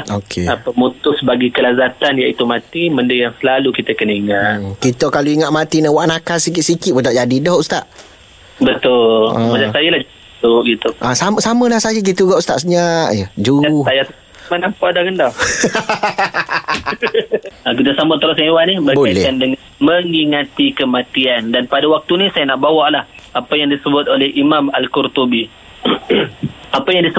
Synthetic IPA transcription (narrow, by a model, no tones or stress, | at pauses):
okʰeapəmut̪ʊsbaɡikəlazat̪anjaʔit̪umat̪iməndəjaŋsəlalukit̪əkənəiŋat̪kit̪əkaluiŋat̪̚mat̪inawaʔnakasikit̪sikɪt̪ʔ̚bət̪aʔd͡ʒadidɔɦust̪aʔ | bət̪ʊllã̰ad͡ʒasajəlahd͡ʒ | tʊʔɡit̪uʔasaməsaməlahsajək̬it̪uɡaʔust̪aʔsəɲaʔjəd͡ʒuajat̪ | manampaʔdaɡanda | akit̪usamʊt̪əɾʊsewanibəboajlɛkandəŋanməŋiŋat̪ikəmat̪iandanpadawak̚t̪unisajanaʔbawaʔlah | apajaŋdisəbʊt̪̚olɛhimamalkurt̪ubi | apajaŋdisə